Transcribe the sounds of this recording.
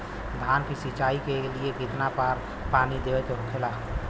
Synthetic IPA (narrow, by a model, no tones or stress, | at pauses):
d̪ʱankisit͡ʃaːikelieɡit̪napaɾ | panid̪ewɛt̪ɾokʰela